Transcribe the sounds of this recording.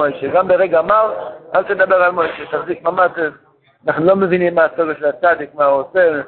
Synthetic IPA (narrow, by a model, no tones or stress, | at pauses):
ojʃeɡambeʁɛɡaːmalalt̪ed̪abeʁalmojʃet̪aχzik̚mamatez | anaχnulomevinimːaːsoɡəʃelat͡sad̪ikmauose